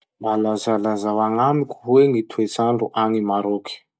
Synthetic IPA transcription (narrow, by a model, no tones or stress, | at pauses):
mbalazalazawaŋamikʲu̥ɦwenit̪ʰuet͡sanɖ͡ʐuʔaŋimaɾokʰi̥